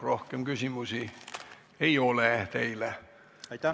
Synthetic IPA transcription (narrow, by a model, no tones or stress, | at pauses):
rohkemɡ̥ysimusi | eiolet̪eilæ